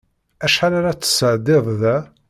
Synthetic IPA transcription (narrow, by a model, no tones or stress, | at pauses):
æʃħaɾaɾat͡sːə̥səʕd̪ɪðˤðæ